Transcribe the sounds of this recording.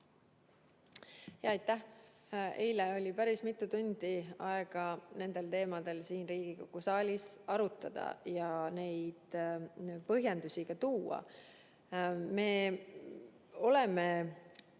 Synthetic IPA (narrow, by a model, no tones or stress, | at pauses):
jɑɑjt̪ːˑæh | e̞̰jleo̞lʲipæɾismit̪ːˑut̪und̪̥iɑeɡ̥ɑne̞nd̪̥e̞lt̪e̞ːmɑd̪̥e̞lsiːnriːɡ̥ikokːusɑːlʲisɑɾut̪ːˑɑd̪̥ɑ̰jɑne̞jd̪̥ | pɤɦjɑnd̪usʲiɡ̥ɑt̪uːɑ̰ | me̞ː | o̞le̞me